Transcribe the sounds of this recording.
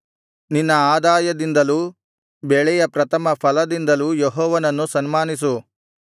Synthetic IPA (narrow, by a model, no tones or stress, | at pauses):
ninːɐaːd̪aːjɐd̪ind̪ɐluː | bɛɭɛjɐpɾɐt̪ʰɐmɐpʰɐlɐd̪ind̪ɐlujeɦɔːʋɐnɐnːusɐnmaːnis̬u